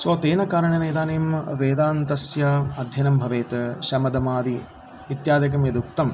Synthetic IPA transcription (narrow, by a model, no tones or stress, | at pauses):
soːt̪eːnɐkaːɾɐɳɐnɐjd̪aːneːmʋeːd̪aːnt̪ɐsjɐɐd̪ʱjɐnɐmbʱɐʋeːt̪ɐʃɐmɐd̪ɐmaːd̪i | it̪jaːd̪jɐk̬ɐmjɐd̪uk̚t̪ɐm